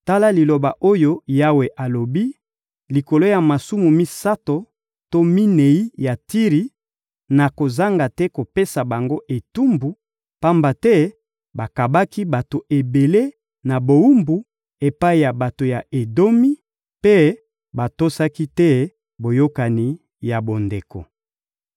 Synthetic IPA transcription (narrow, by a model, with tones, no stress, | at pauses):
ta˦la˦li˨lo˨ba˨ʔo˦jo˦ja˦we˨ʔa˨lo˨bi˦ | li˨ko˨lo˦ja˨ma˨su˦mu˨mi˦sa˦to˨ | to˦mi˦ne˨i˦ja˨ti˦ʁi˨ | na˨ko˨za˦ŋɡa˨tɛ˦ko˨pe˦sa˨ba˨ŋɡo˦ʔe˨tu˦mbu˨ | pa˦mba˨tɛ˦ | ba˨ka˨ba˦ki˦ba˨to˨ʔe˨be˨le˦ | na˨bo˨u˦mbu˨˦ | e˨pa˦i˨ja˨ba˨to˨ja˨ʔe˨do˦mi˦ | pe˦ | ba˨to˦sa˦ki˦tɛ˦ | bo˨jo˦ka˨ni˨ | ja˨bo˨nde˨ko̰˨